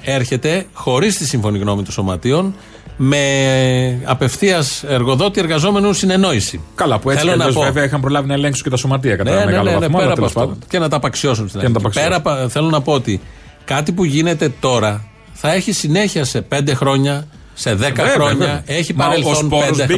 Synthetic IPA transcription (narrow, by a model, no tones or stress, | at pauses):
e̞ɾçe̞t̪e̞xo̞ɾist̪isiɱfo̞niɣno̞mit̪õso̞mɐt̪io̞n | me̞ | ɐpe̞fθiɐse̞ɾɣo̞ðo̞t̪iɾɣɐzo̞me̞nusine̞no̞isikɐlɐpueθelonɐozpoveveɐixɐmpɾo̞lɐvinɐeleŋksu̥cet̪ɐso̞mɐt̪iɐkɐt̪nɐemnɣɐ̰lenepeɾɐt̪pɐsfɐoce̞nɐt̪ɐpɐksio̞s̬unst̪inɐnɐt̪ɐpɐspeɾɐpθe̞lo̞nɐpo̞ot̪i | kɐt̪ipuʝine̞t̪e̞t̪o̞ɾɐ | θɐe̞çisine̞çiɐse̞pe̞nd̪e̞xɾo̞ɲɐ | se̞ðe̞kɐxɾoɲɐe̞çipɐɾelθonped̪e